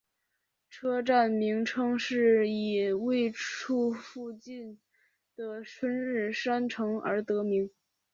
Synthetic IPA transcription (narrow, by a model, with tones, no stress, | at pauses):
ʈ͡ʂʰɤ˥ʈ͡ʂa˥˩nmi˧˥ŋʈ͡ʂʰɤ˥ŋʂɻ̩˥˩i˨˩we˥˧ɪʈ͡ʂʰu˥˧fu˥˧t͡ɕi˥˩n | d̪̥ə˩ʂʰwə˥nɻɻ̩˥˩ʂa˥nʈ͡ʂʰɤ˧˥ŋə̰˞˧˥t̪ɤ˧˥mi˧˥ŋ